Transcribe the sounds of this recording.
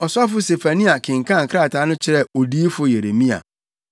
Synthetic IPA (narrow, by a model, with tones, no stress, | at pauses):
ɔ˨sʊ˦a˦fʊ˦se˨fa˨nĩ˦a˨kʰɪ̃˨ŋ˨kʰã˦˨ŋ̩˨kʰɾa˦˨tʰaː˨˦nʊ̃˦t͡ɕʰɪ˦ɾɛ˦˨o˨diː˦fʊ˦je˨ɾe˨mĩ˦a̰˨